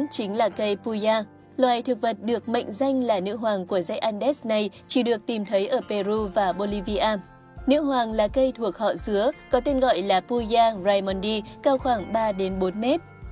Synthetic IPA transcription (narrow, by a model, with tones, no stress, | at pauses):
t͡ɕï˨˦ŋ̟laː˨˩kə˧jpu˧zaː˧ | lwaː˨˩jt̪ʰɨ˨˩k̚və˨˩t̚ɗɨ˨˩ək̚mə̰˧˨ŋ̟za˧jŋ̟laː˨˩nɨ̰˧˥ɦwaː˨˩ŋku˧˩əza˧jʔaː˧nɗɛ˦˥sna˨˩j | t͡ɕi˧˩ɗɨ˨˩ək̚t̪i˨˩mt̪ʰə˨˦jʔəː˧˩pe˧ɾu˧vaː˨˩ɓo˧li˧vi˧ʔaː˧m | nɨ̰˧˥ɦwaː˨˩ŋlaː˨˩kə˧jt̪ʰu˨˩ək̚hɔ̰˧˨zɨ˨˦əkɔ˨˦t̪e˧nɣɔ̰˧˨jlaː˨˩pu˧zaː˧zaː˧jmɔ˧nɗi˧kaː˧wxwaː˧˩ŋɓaː˧ɗe˨˦nɓo˨˦nmɛ˦˥t̚